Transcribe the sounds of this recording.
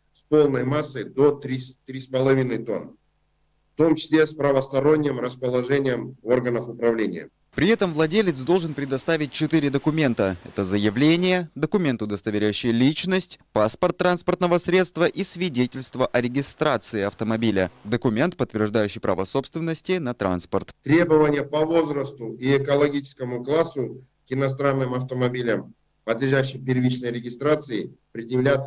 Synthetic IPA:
spolˠnəjmasːəjd̪ot̪ɾʲist̪ɾʲispəlˠɐvʲinəjt̪o̞̰n | ft̪omt͡ɕɪ̥sʲlʲespɾəvəst̪ɐɾo̞nʲːjəmɾəspəlˠɐʐɛnʲɪjəmorɡənəfʊpɾɐvlʲenʲɪ̰jə̰ | pɾʲɪɛt̪əmvlˠɐdʲelʲɪt̪sd̪o̞lˠʐɨnpɾʲɪd̪ɐst̪avʲɪt̚ʲt͡ɕɪt̪iɾʲɪd̪əkʊmʲe̞nt̪əɛ̰t̪əzəjɪvlʲenʲɪjəd̪əkʊmʲe̞nt̪ʊd̪əst̪əvʲɪɾʲæjʉɕːɪjəlʲit͡ɕnəsʲtʲpaspərt̪ːɾanspərt̪nəvəsɾʲe̞t̪st̪vəʔisvʲɪdʲetʲɪlʲst̪vəʔɐɾʲɪɡʲɪst̪ɾat̪sɨɪɐft̪əmɐbʲilʲəd̪əkʊmʲe̞nt̪̚pət̪vʲɪrʐd̪ajʉɕːɪjpɾa̰vəso̞pst̪vʲɪnːəsʲtʲɪnɐt̪ɾa̰nspərt̪t̪ɾʲe̞bəvənʲɪjəpɐvo̞zɾəst̪ʊiɛkəlˠɐɡʲit͡ɕɪ̥skəmʊklˠasːʊ | kɪnɐst̪ɾanːɨmɐft̪əmɐbʲilʲəm | pəd̪lʲɪʐæɕːɪpʲɪrvʲit͡ɕnəjɾʲɪɡʲɪst̪ɾat̪sɨɪpɾʲɪd̪jɪvlʲat̪s

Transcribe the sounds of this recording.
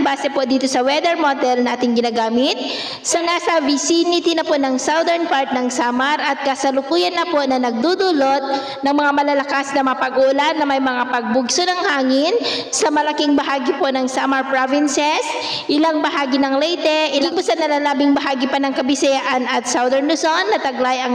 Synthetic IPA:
baːsɛpo̞d̪iːt̪o̞sɐwɛd̪ɛɹmod̪ɛlnaːt̪ɪŋɡɪnaːɡaːmɪt̪̚ | sɐnaːsɐvɪsinɪt̪ɪnɐpo̞ʔnɐŋsawd̪ɛɹnpaɹt̪̚nɐŋsaːmɐɾʔɐt̪̚kɐsɐlʊkuːjɐnːɐpo̞ʔnɐnɐɡ̚d̪ud̪ʊlot̪̚ | nɐŋmɐŋamɐlalɐkasnɐmɐapɐɡʊʔlanːɐmɐjmɐŋapɐɡ̚bʊɡsonɐŋhaːŋɪnsɐmɐlɐkɪŋbɐɦaːɡɪpo̞nɐŋsamɐɹpɹovɪnsɛs | ʔɪlaŋbɐɦaːɡɪnɐŋlɛjt̪ɛʔɪlɪpʊsɐnɐlalaːbɪŋbɐɦaːɡɪpɐnɐŋkɐbɪsɛjaʔɐnɐt̪̚sawd̪ɛɹnlʊsonːɐt̪ɐɡlajɐŋ

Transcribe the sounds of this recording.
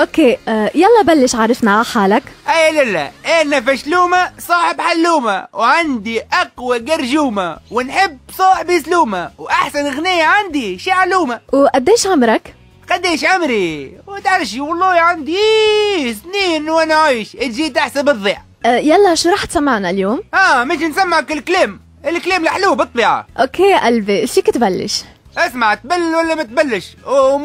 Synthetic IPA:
ʔokːeːjalˤːɑbalːɪʃʕaːɾˤɪfnaaħaːlakʔalalːa̰ʔɪnːafaʃluːmasˤɑːħɪbħalːuːma̰wʕand̪iʔaqwaɡɑɾˤʒuːmawɪnħɪbːsˤɑːħɪbʔɪsluːmawʔaħsanɣnɪjːaʕand̪iʃiːʕaluːmawʔad̪ːeːʃʕamɾˤak | qad̪iːʃʕamɾiwt̪ʕalʃiwɑlˤːɑːʕand̪i | sniːnwʔanaʕaiːʃʔɪt̪ʒiːt̪ʔaħsabɨðˤːiːʕ | jalːaʃuɾˤɑːħt̪samːaʕnaljoːmʔaːmɪʃnsamːʕakɪlkleːm | ɪlkleːmliħluːbɨt̪ˤbiːʕa̰ʔokːeːʔalfiʃiːkɪt̪balːɪ̰ʃ | ʔasmaʕt̪̚balːɪlwalːamat̪̚balːɪʃ

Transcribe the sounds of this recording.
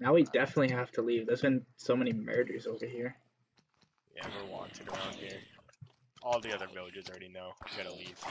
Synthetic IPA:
naʊwidɛfənətˡliɦæftʰəlivðə˞zbɨ̃nsoʊmɛnimɜ̰˞dəizoʊvə˞ɦiɹ | iɛ̰və˞wɑ̰̃ntʰɨɡoʊə̃nhiɹ | ɔlˠðiʌðə˞vɪlˠɨd͡ʒɨzl̩ˠɹɛɾinoʊəɡʌnəliv̥

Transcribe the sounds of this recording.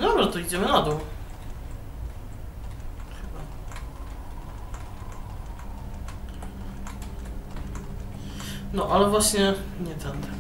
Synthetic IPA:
d̪ɔbʐat̪ɔid͡ʑɛmɘnad̪ɔw | xɘba | nɔʔalɛvwaɕɲɛɲɛt̪ʰɛnd̪ɛ

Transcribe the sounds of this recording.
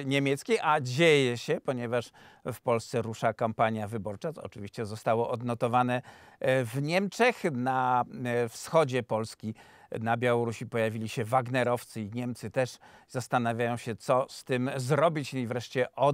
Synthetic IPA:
ɲemʲjɛt̪skʲejʔad͡ʑejɛɕɛpɔɲɛvaʂfpɔlst̪sɛɾuʂakampaɲjavɘbɔɾt͡ʂaɔ̰t͡ʂɨvʲiɕt͡ɕɛzɔst̪awɔʔɔd̪nɔt̪ɔvanɛvɲɛmt͡ʂɛxna | fsxɔd͡ʑɛpɔlskʲi | nabʲjawɔɾuɕipɔjavʲilʲiɕɛvaɡnɛɾɔft̪sɘiɲɛmt̪sɘt̪ɛʂzast̪anavʲjajɔ̃w̃ɕɛt̪sɔst̪ɘmzɾɔbʲit͡ɕivɾɛʂt͡ɕɛʔɔ

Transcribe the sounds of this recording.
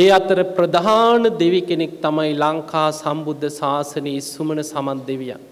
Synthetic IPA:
eːat̪əɾəpɾəd̪aɦaːnəd̪eʋikenek̚t̪amajlaŋkaːsambud̪ʱːəsaːsəneisːumənəsamat̪̚d̪eʋija̰

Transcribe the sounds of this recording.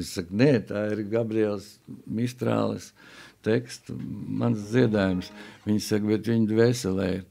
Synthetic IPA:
isaknet̪aːiɾɡabɾiɛlˠsmist̪ɾa̰ːlˠə̰st̪ekst̪mansd̪ziɛd̪aːjumsʋʲiɲsakbɛt̪ʋiɲd̪ʋɛsʲɛlˠɛiɾ

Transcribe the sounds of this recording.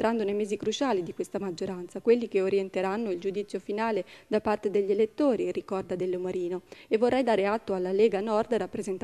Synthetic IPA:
t̪ɾand̪onejmɛːzikɾut͡ʃaːlid̪ikwest̪amad͡ʒːoɾant̪sakwelːikeoɾjent̪eɾanːoild͡ʒud̪it̪sːjofinaːled̪apːart̪ed̪eʎːelet̪ːoːɾirikɔrd̪ad̪elːomaɾiːnoevːorːɛjd̪aːɾeat̪ːoalːalɛːɡanɔrd̪rapːɾezent̪

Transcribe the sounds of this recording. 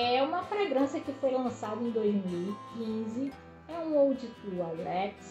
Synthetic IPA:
ɛũmɐfɾeɡɾɐ̃sɐkɪfojlɐ̃sad̪ɐẽj̃d̪ojzmiwikĩzɪ | ɛũowd͡ʒɪt̪ualɛks

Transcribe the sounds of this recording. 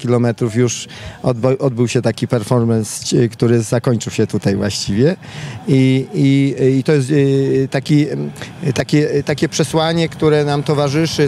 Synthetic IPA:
kʲilɔmɛt̪ɾufjuʂɔd̪bʔɔd̪̚bɘwɕɛt̪akʲipɛɾfɔɾmɛnst͡ɕkt̪uɾɘzakɔɲt͡ʂɘwɕɛt̪ut̪ajvwa̰ɕt͡ɕivʲjɛiiit̪ɔjɛst̪ːakʲi | t̪akʲɛt̪akʲɛpʂɛswaɲɛkt̪uɾɛnamt̪ɔvaʐɘʂɘ

